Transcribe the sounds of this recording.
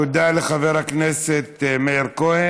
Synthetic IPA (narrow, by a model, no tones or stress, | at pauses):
ud̪aleχaveʁhakneset̪meiʁkohe